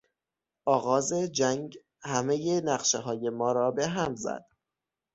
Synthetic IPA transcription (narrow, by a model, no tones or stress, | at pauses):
ʔɒːɣɒːzed͡ʒæŋɡ | hæme̞jenæɣʃeɦɒːje̞mɒːɾɒːbe̞ɦæmzæ̰d̪̥